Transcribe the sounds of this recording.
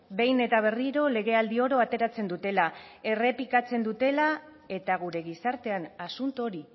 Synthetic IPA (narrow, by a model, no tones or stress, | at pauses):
be̞jne̞t̪aβ̞e̞riɾo̞le̞ɣ̞e̞ald̪io̞ɾo̞at̪e̞ɾat͡se̞nd̪ut̪e̞lae̞re̞pikat͡se̞nd̪ut̪e̞la | e̞t̪aɣ̞uɾe̞ɣ̞isaɾt̪e̞anasunt̪uoɾi